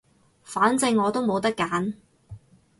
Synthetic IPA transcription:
faː˨˥nt͡sɪ˧ŋːɔː˨˧t̪o˥wmo˨˧wt̪̬ɐ˥kːaː˨˥n

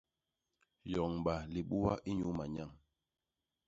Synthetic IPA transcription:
jɔ˨ŋɓa˨li˨ɓu˦wa̰˦ʔi˦ɲu˦ma˨ɲa˦˨ŋ

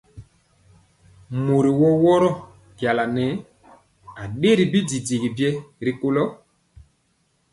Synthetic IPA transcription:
mo˨ɾi˨wɔ˦wɔ˦ɾɔ˦ | ɡa˨la˨nɛ˨˦ | a˨ɗe˦ɾi˨bi˦di˨di˨ɡi˨bjɛ˦ɾi˨ko˦lɔ˦

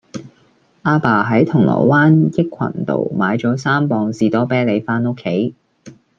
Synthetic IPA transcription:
ʔaː˧paː˨˩ɦɐ˨˥jt̪ʰʊ˨˩ŋlɔ̰ː˨˩waː˥njɪ˥kʷʰːɐ̰˨˩nt̪o̰˨˧wmaː˨˧jt͡ʃɔː˨˥saː˥mpɔː˧ŋsiː˨˧t̪ɔː˥pɛː˥le˨˧jfaː˥no˥kʰːe˨˥j

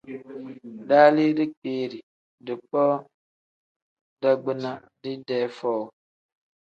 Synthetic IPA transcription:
daː˦li˦di˦k͡peː˦ɾi˨ | dɨ˨k͡pɔ˦ | da˦ɡ͡bɨ˦na˦ | di˦dɛː˦fɔ˦˨

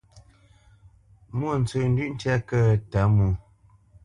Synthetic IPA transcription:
mu˦˨n̩˨t͡sə˨n̩˦dʉ˦ʔn̩˦tjɛ˦kə˦ta˨˦mu˨

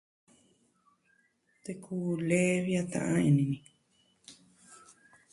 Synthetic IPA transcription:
t̪e˧kʰuː˧le˦βja˧t̪ã̰˧ʔã˦ẽ˧˨nĩ˧nĩ˧

